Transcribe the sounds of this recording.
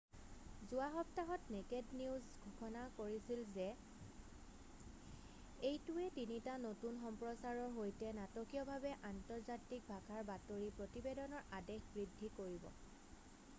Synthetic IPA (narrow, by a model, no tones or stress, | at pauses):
zʊaxɔp̚taɦɔtnekedniʊzɡʱuxʰɔnakoɹisilzɛ | ejtʊɛtinitanotunxɔmpɹɔsaɹɔɦojtɛnatɔkijɔbʱabɛʔantɔɹzatik̚bʱakʰaɹbatoɹipɹotibedɔnɔɹadexbɹidʱːikoɹibɔ̰